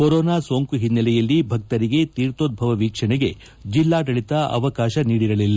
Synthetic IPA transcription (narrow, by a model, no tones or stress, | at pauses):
koɾoːnaːsoːŋkuɦinːɐlɛjɐlːibʱɐk̚t̪ɐɾiɡe̞t̪iːɾt̪oːd̪̚bʱɐʋɐʋiːkʂɐɳɛɡe̞ | d͡ʒilːaːdɐɭit̪ɐɐ̰ʋɐkaːʃɐniːɽiɾɐlilːɐ